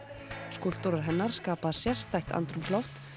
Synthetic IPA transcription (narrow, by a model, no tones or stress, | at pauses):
skul̥t̪ʊɾaɾ̥ɦɛnːaɾ̥skaːpað̥sjɛr̥st̪ajht̪ʰa̰nt̪ɾʏmslɔwft̪